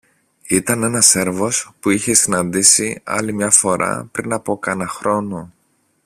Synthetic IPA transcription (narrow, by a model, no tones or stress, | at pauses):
it̪ɐne̞nɐse̞ɾvo̞spuiçe̞sinɐnd̪isiɐ̰limɲɐfo̞ɾɐ̰pɾinɐpo̞kɐnɐxɾo̞no̞